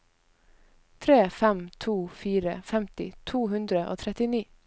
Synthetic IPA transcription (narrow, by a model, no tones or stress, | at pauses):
t̪ʰɾeːfɛmt̪ʰuːfiːɾə̰fɛmt̪ɪ̰t̪ʰuːhʉnd̪ɾəʔo̰ːt̪ʰɾɛt̪ɪniː